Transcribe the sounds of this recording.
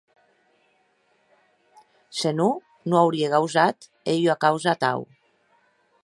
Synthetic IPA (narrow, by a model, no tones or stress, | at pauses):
senu | noawɾieɣawzat̪ | ejoakawzat̪a̰w